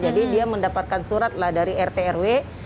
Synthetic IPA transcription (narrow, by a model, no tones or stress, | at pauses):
d͡ʒadidiaməndapat̪̚kansuɾat̪̚lahdaɾiɛrt̪eɛrwe